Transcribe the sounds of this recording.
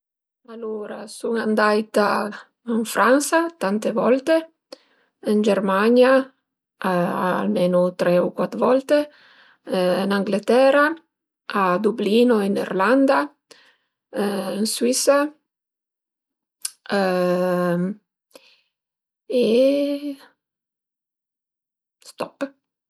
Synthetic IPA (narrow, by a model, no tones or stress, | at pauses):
alːuːɾa̰suŋand̪ajt̪a | iɱfɾʔansat̪ant̪evɔlt̪e | ind͡ʒermaɲja | aa̰lmeːnot̪ɾɛukwat̪ɾvɔlt̪e | naŋɡlet̪ɛɾa | ad̪ubliːnoinḭrland̪a | inswisa | e | st̪ɔpː